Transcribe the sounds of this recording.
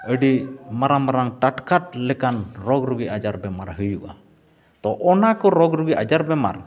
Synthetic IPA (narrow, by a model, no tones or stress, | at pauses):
əɖimaɾamaɾaŋʈaʈkaʈ̚lɛkanɾɔɡɾuɡiʔad͡ʒaɾbɛmaɾɦɯjuʔa̰ | t̪ɔʔɔnakɔɾɔɡɾuɡiʔad͡ʒaɾbɛma̰ɾ